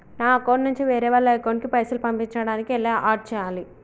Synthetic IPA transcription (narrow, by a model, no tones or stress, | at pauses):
naːkonnːuɲt͡ʃiʋeːɾɛːʋɐlːɐekowɳɖkipɐjsulupɐmpiɲt͡ʃɐɽaːnikielːeːʔaːʈ̚t͡ʃɛːjaːli